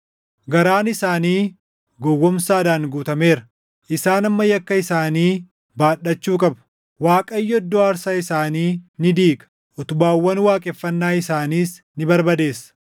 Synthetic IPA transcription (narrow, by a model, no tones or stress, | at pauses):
ɡɐɾaːnɪsaːniː | ɡɔwːɔmsaːd̪aːnɡuːt̪ɐmeːɾɐ | ʔɪsaːnɐmːɐjɐkːɐɪsaːniː | baːɗɐt͡ʃːuːkʼɐbɐ̥ | waːkʼɐjːɔɔd̪ːɔɐɾsaːɪsaːniːnɪd̪iːkʼɐ̥ | ʔɔt̪ʊbaːwːɐnwaːkʼɛfːɐnːaːɪsaːniːs | nɪbɐɾbɐd̪e̞ːsːɐ̥